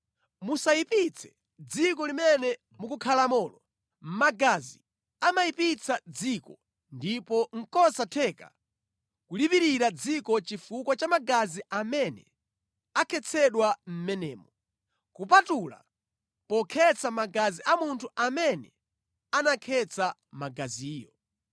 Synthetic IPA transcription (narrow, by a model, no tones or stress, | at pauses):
musaipit͡sʰɛ̥ | d͡zikɔlimɛnɛ | mukukʰalamɔːlɔ | m̩maɡazi | amaipit͡sʰad͡zikɔ | ndipɔŋ̩kɔsatʰɛka̰ | kulipiɾiɾad͡zikɔt͡ʃifukwat͡ʃamaɡaziʔamɛnɛ | akʰɛt͡sʰɛɗwam̩mɛnɛːmɔ | kupatula̰ | pɔkʰɛt͡sʰamaɡaziʔamuntʰuamɛnɛ | anakʰɛt͡sʰamaɡaziːjɔ